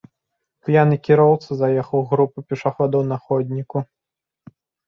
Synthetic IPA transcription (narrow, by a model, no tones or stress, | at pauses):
pjanɨkʲiɾɔwt̪sɨzajɛxɐwɣɾupupʲɛʂaxɔd̪ɐwnɐxɔd̪ʲnʲiku